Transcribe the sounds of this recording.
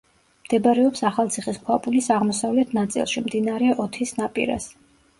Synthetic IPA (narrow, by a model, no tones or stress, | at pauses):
md̪̥ɛbaɾɛɔpsaχalˠt̪sʰiχiskʰwapʼulisaʁmɔsavlɛt̪ʰnat̪sʼḭlˠʃimd̪inaɾɛɔt̪ʰisnapʼḭɾa̰s